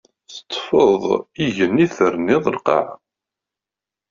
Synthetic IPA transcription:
θə̥t̪ˤːfəðˤiʝəniθəɾnɪðˤəlqɑ̰ʕ

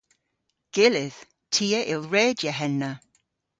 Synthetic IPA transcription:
ɡ̥ɪlɪð̥ | tʰiːəʔɪlˠɹɛːdjəɦɛnːə

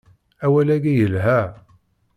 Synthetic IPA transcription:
æwælæɡijəlɦæ

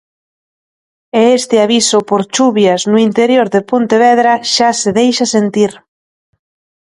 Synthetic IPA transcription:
eest̪ɪaβisʊpoɾt͡ʃuβjaznʊint̪eɾjoɾðepont̪eβ̞ɛðɾɐʃaseðejʃɐsent̪iɾ

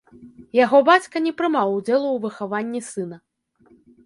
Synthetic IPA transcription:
jaɣɔbat͡sʲkɐnʲɛpɾɨmawd͡zʲɛlˠuwvɨxavanʲːisɨnɐ

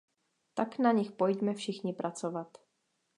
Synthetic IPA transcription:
t̪aknaɲɪxpojɟmɛfʃɪxɲɪpɾʔat͡sovat̪

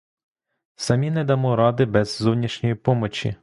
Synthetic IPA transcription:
sɐmʲinɛd̪ɐmɔɾɑd̪ɪbɛzːɔwnʲiʃnʲɔjipɔmɔt͡ʃʲḭ

